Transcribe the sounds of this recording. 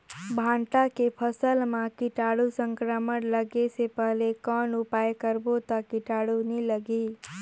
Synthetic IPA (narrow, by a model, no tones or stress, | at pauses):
bʱãɳʈakepʰəsəlmãkiʈaɽusə̃ŋkɾəmənləɡesepəɦlekɔnupajkəɾbot̪ɔkiʈaɽuniləɡi